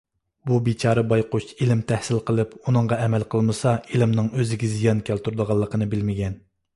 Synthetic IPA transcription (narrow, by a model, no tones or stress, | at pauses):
bubit͡ʃʰɑːɾɨbɑjqʊt͡ʃilɪmt̪ʰæhsɪlqəlˠɨpunɨŋʁɑɛmɛlqʰəlˠmɨsɑilɪmnɨŋøzɪɡʲɛzijɑnkʲʰælt̪uɾd̪əʁɑlˠːəqənɨbɪlmɪɡʲɛn